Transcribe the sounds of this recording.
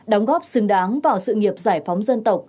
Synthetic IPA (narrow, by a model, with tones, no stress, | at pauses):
ɗɔ˨˦wŋ͡mɣɔ˦˥p̚sɨ˨˧˦ŋɗaː˨˦ŋvaː˨˩wsɨ̰˧˨ŋi˨˩əp̚zaː˧˩jfa˨˦wŋ͡mzə˧nt̪ə˨˩wk͡p̚